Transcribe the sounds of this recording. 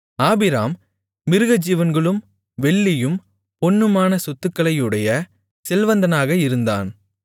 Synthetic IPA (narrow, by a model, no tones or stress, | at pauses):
aːbɪɾa̰ːmː | ɪɾɯɣɐd͡ʒiːʋɐnɡɐɭɯm | ʋɛɭːɪjɯm | pɔnːɯmaːnɐsɔt̪ːɯkːɐɭɐjɯɽɐjɐ | sɛlʋɐnd̪ɐnaːɣɐɪɾɯnd̪a̰ːn